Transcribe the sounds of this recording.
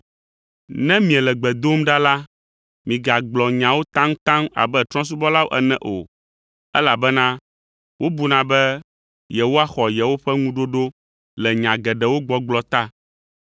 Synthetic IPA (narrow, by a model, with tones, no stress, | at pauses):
nɛ̃˦mĩ˨ɛ˨lɛ˨ɡ͡bɛ˨d̪o˦mɖa˦la˦ | mĩ˨ɡa˨ɡ͡blɔ˨ɲã˨wo˦t̪ã˦ŋ̃˦t̪ã˦ma̰˨bɛ˦t̪ɾɔ̃˦s̬u˦bɔ˦la˦wo˦ʔɛ˨nɛ̃˦ʔo˨ | ɛ˦la˨bɛ˦nã˦ | wo˦bu˨nã˨bɛ˦ | jɛ˨wo˦a˦xɔ˨jɛ˨wo˦ɸɛ˦ŋũ˦ɖo˦ɖo˦ | lɛ˨ɲã˨ɡɛ˨ɖɛ˨wo˦ɡ͡bɔ˨ɡ͡blɔ˨t̪a˦